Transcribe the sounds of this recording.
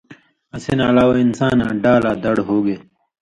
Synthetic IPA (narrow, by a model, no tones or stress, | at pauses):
ɐsinalaːwɐinsaːnãːɖaːlaːd̪ɐɽɦoːɡe